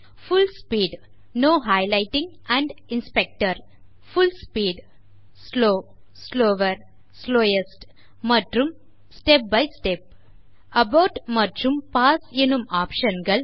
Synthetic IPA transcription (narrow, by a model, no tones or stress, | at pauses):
fulspiːɖ | noːɦaɪlaɪʈĩŋɡ | æ̃ɳɖinspek̚ʈɐɾ | fulspiːɖ | sloː | sloːʋɐɾ | sloːjesʈ | mɐʈɾũm | sʈep̚baɪsʈep̚ | ɐbaʊʈmɐʈɾũmpaːsenumaːpʃɐ̃nɡɐl